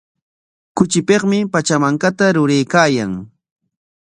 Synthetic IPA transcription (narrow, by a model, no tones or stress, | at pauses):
kʊt͡ʃɪpeχmɪpat͡ʃamaŋkat̪aɾʊɾejkaːjaŋ